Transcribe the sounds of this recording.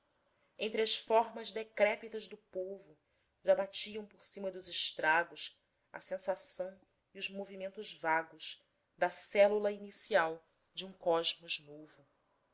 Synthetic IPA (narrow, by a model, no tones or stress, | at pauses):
ẽnt̪ɾɪɐʃfɔɾmɐzd̪ekɾɛpit̪ɐzd̪ʊpovʊ | ʒabat͡ʃiɐ̃w̃poɾsĩmɐd̪ʊzɪʃt̪ɾaɡʊs | ɐ̰sẽsasɐ̃w̃ | iʊzmovimẽnt̪ʊzvaɡʊʃ | d̪ɐsɛlulɐinisiaw | d͡ʒɪũkɔʒmʊznovʊ